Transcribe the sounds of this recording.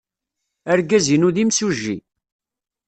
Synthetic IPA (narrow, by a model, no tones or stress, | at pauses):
æɾɡæzinuðimsuʒːḭ